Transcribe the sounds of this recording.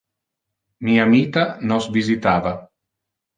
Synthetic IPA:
miːamiːt̪anɔsvizit̪aːva

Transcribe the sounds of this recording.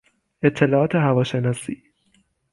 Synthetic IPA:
ʔe̞t̪ʰːe̞lɒːʔɒːt̪ʰe̞ɦævɒːʃenɒːsiː

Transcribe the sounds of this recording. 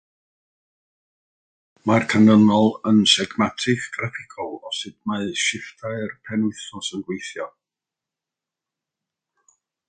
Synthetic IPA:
markʰanənɔlˠənsɛɡmatʰɪkɡ̥rafɪkʰɔlˠɔsɨd̚maɨʃɪftʰaɨrpʰɛnʊɨθɔsənɡwejθjɔ

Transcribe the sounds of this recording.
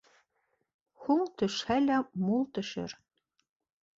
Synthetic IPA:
huŋt̪ʰɵ̆ʃhælæmulˠt̪ɵ̆ʃɘ̰ɾ

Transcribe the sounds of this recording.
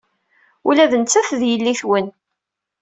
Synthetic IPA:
ulæðənt͡sːæθðjəlːiθwən

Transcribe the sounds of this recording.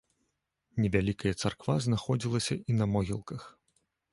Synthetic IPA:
nʲɛvʲalʲikɐjɐt̪sarkvaznaxɔd͡zʲilˠɐsʲɐʔinɐmɔɣʲilˠkɐx

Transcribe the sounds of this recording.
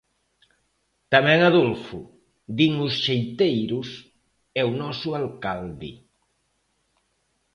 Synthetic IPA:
t̪amɛ̃ŋaðulfu | d̪iŋusʃejt̪ejɾus | ɛwnɔsualkald̪ḭ

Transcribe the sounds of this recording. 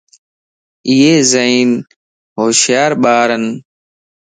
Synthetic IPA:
ijeːzəiːn | ɦoːʃjaːɾɓaːɾən

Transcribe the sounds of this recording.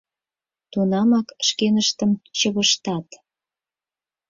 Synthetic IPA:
t̪unɑmɑkʃkenəʃt̪əmt͡ɕəβəʃt̪ɑt̪

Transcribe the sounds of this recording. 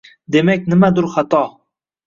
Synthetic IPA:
d̪e̞makʲnɪmad̪ʊɾχat̪ʰɒ

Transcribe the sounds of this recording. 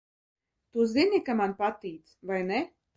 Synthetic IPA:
t̪uːzinʲikamanpat̪iːt̪svajnɛ

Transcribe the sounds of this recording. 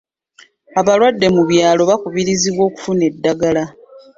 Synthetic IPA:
aβalwadːe̞muβjaːlo̞βakuβiɾiziβwo̞ːku̥fune̞dːaɡala

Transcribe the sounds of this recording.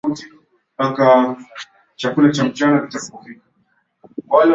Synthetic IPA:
uti | aka | t͡ʃakulat͡ʃam̩t͡ʃanakitakupɔfika | walɛ

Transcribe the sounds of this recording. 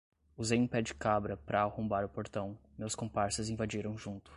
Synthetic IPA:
uzejũpɛd͡ʒɪkabɾɐpɾɐahõmbaɾʊpoɾt̪ɐ̃w̃mewskõpaɾsɐzĩvad͡ʒiɾɐ̃w̃ʒũnt̪ʊ̥

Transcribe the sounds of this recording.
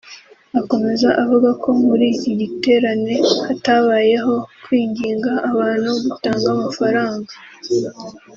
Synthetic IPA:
ako̞me̞zaʔavuɡako̞muɾiːciɟite̞ːɾane̞hataβaːje̞ɦo̞kwiːɲɟiːŋɡaʔːβaːn̥huɡutaːŋɡamafaɾaːŋɡa

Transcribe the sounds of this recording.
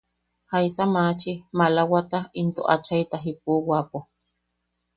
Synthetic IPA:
hajsamaːt͡ʃimalawat̪aint̪oʔat͡ʃajt̪aɦip̚uwapo

